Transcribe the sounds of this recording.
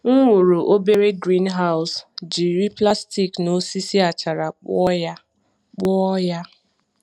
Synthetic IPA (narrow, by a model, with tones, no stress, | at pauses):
ŋ̩˦ŋu˨ɾu˨ʔo˦be˦ɾe˦ɡɾi˦nɦa˦ʊ˨sd͡ʒi˨ɾi˦pla˦sti˨kno˦si˦si˦a˨t͡ʃa˨ɾa˨˦ja˦ | k͡pɔ˦ja˦